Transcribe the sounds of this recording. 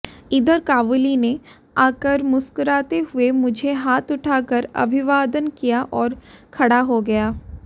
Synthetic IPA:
ɪd̪əɾkaːʋʊline | aːkəɾmʊskəɾaːt̪eɦʊemʊd͡ʒʱeɦaːt̪ʊʈʰaːkəɾɐ̰bʱɪʋaːd̪ənkijaʔɔːɾkʰɐɽaɦoɡɐjaː

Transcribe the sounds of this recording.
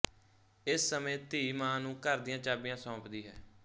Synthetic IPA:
ɪsːəmẽːt̪iːmãːnũːkəɾd̪ijãːt͡ʃaːbɪjãːsɔ̃ːpd̪iːɦɛ̰ː

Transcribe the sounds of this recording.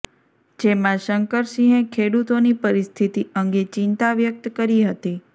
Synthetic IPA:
d͡ʒemãʃəŋkəɾsĩɦẽkʰeɽut̪onipəɾist̪ʰit̪iəŋɡet͡ʃɪnt̪aʋjək̚t̪kəɾiɦət̪i

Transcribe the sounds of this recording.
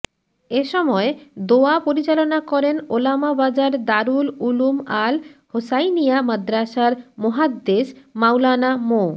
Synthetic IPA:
eʃɔmɔed̪oapoɾit͡ɕalonakɔɾenolamabad͡ʑaɾd̪aɾululumalhosajnijamad̪ɾaʃaɾmoɦad̪ːesmawlanamo

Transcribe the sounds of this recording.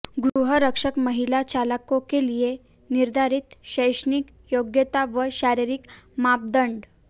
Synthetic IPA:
ɡɾuɦəɾəkʂəkməɦilat͡ɕaləkõkelije | niɾd̪ʱaɾit̪ɕəjʂnik | joɡjət̪aʋəɕaɾiɾikmap̚d̪əɳɖ

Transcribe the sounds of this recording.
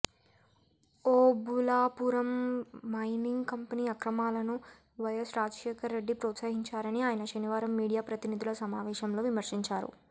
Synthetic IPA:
oːbulaːpuːɾɐmːɐjniŋɡkɐmpɐniːɐkɾɐmaːlɐnu | ʋɐjɐsɾaːd͡ʒɐʂɛːkɐɾːe̞ɖːipɾɔːt̪saːɦiɲt͡ʃaːɾɐniaːjɐnɐʃɐniʋaːɾɐmːiːɽijaːpɾɐt̪inid̪ʱulɐsɐmaːʋɛːʃɐmlo̞ːʋimɐɾʂiɲt͡ʃaːɾṵ

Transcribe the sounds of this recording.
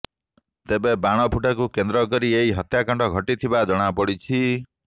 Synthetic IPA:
t̪ebebaɽ̃ɔpʰuʈakukend̪ɾɔkɔɾieɦiɦɔt̪jakɔɳɖɔɡʱɔʈit̪ʰibad͡ʒɔɽ̃apɔɽit͡ʃʰi

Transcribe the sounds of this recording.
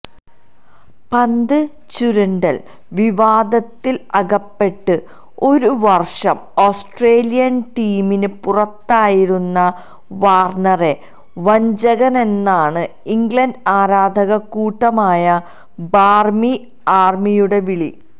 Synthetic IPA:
pɐnd̪ɨ | t͡ɕuɾɐɳɖɐl | ʋiʋaːd̪ɐt̪ːilɐɣɐpːe̞ʈːɨ | o̞ɾuʋɐrʂɐmo̞ːsʈreːlijɐnʈiːminɨpurɐt̪ːaːjiɾunːɐ | ʋaːrɳɐre̞ | ʋɐɲd͡ʑɐɣɐne̞nːaːɳɨ | iŋɡɭɐnɖaːɾaːd̪ʱɐɣɐkuːʈːɐmaːjɐ | baːrmi | aːrmijuɽe̞ʋiɭi

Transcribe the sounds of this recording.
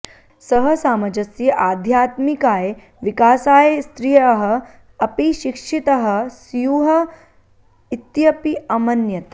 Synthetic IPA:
sɐɦɐsaːmɐd͡ʒɐsjɐʔaːd̪ʱjaːt̪mikaːje | ʋikaːsaːjest̪ɾijɐɦɐ̆ | ɐpiʃikʂit̪ɐɦɐ̆sjuɦɐ | it̪jɐpiɐmɐnjɐt̪

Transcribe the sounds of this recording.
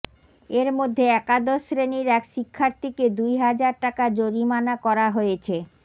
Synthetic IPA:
eɾmod̪ʱːeɛkad̪oʃɾeniɾɛkʃikʰːaɾt̪iked̪ujɦad͡ʑaɾʈakad͡ʑoɾimanakɔɾaɦojet͡ɕʰe

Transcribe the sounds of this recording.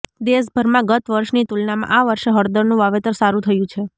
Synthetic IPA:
d̪eʃbʱəɾmãɡət̪ʋəɾʃnit̪ulnamã̰ʔaʋəɾʃeɦəɾd̪əɾnũʋaʋet̪əɾsaɾũt̪ʰəjũt͡ʃʰe

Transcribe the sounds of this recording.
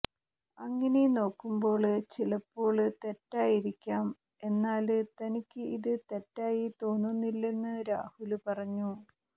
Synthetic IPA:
ɐŋːɐneno̞ːkːumbo̞ːɭɨt͡ɕilɐpːo̞ːɭɨt̪e̞tːaːjiɾikʲːaːm | e̞nːaːlɨt̪ɐnikʲːɨiðɨt̪e̞tːaːjit̪o̞ːnːunːilːe̞nːɨɾa̰ːhulpɐrɐɲːu

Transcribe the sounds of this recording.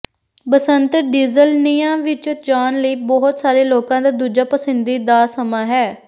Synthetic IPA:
bəsənt̪ɖiːzəlnijãːʋɪt͡ʃd͡ʒaːnləiːbɔɦʊt̪saːɾeːloːkãːd̪aːd̪uːd͡ʒaːpəsɪnd̪iːd̪aːsəmaːɦɛː

